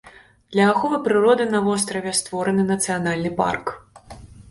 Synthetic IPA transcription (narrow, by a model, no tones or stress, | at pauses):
d̪̥lʲɐːxɔvɨpɾɨɾɔd̪ɨnɐvɔs̬t̪ɾɐvʲɛst̪vɔɾɐnɨnɐt̪sɨjanalʲnɨpa̰rk